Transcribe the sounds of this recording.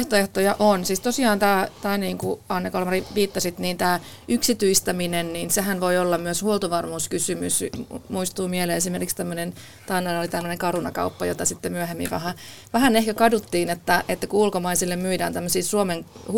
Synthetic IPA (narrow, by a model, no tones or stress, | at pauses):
ht̪oeht̪ojɑʔonsiːst̪osiɑːnt̪æːt̪æːniːŋkuɑinːɑkolmɑriʋiːt̪ːɑsit̪niːnt̪æː | ʔyksit̪yist̪æminenniːnseɦænʋoiolːɑmmyøshuolt̪uʋɑrmuːskysymysmuist̪uːmieleːesimerkikst̪æmːønen | t̪ɑinːɑolit̪æmːøneŋkɑrunɑ̰kɑ̰upːɑjo̰t̪ɑsit̪ːemyæɦemːḭʋæ̰ɦæʋæhænehkækɑdut̪ːiːnet̪ːæʔet̪ːækuulkomɑisilːemmyidæ̰ːnt̪æmːøsiːsuomeŋh